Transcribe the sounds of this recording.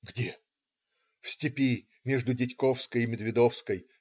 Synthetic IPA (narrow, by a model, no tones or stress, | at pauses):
ɡdʲe | fsʲtʲɪpʲi | mʲeʐd̪ʊdʲɪtʲkofskəjɪmʲɪd̪vʲɪd̪ofskəj